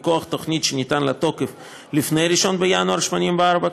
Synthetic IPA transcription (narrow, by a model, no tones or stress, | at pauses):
koaχt̪oχnit̪ʃenit̪anlat̪o̞kef | lifne̞jɾiʃo̞nbejanuaɾʃmonimbeaɾba